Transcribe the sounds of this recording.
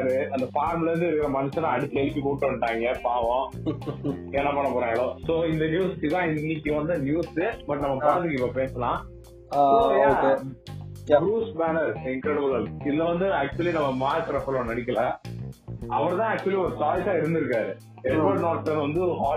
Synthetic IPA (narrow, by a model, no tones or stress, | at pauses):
aɾɯɐnd̪ɐfaːɾmlɐɾɯnd̪ɯɪɾɯkːɪɾɐmɐnɯsɐ̃nãːɐɽɯt̪ːlɛɭɯpːikoːʈːɯɐɳʈːaːŋɡɐpaːʋõ | ɛnːɐpɐɳːɐpoːɾãːŋɡɐɭõsoːɪnd̪ɐnjuːsɪʋãːɪnːɪkʲːɯʋɐnd̪ɐnjuːsɯbɐʈːnɐmːɐpaːɾt̪ɯkːɐɪpːɐpeːsɐlãː | oːjaoːe | bɾuːsmaːnɐɾsɪŋkɾɛɽɐbɐlalɪðɐʋɐnd̪ɯaːk̚t͡ʃʊɐlinɐmːɐmaːɾkɐɾɐpːlõnɐɽɪk̬ʲːɐlɐ | ɐʋɐɾt̪ãːɐk̚t͡ʃʊɐliɔɾɯsaːɪsaːɪɾɯnd̪ɪɾɯkːaːɾɯ | ɛɾʋoɽnoːʈsɐnʋɐnd̪ɯɦaː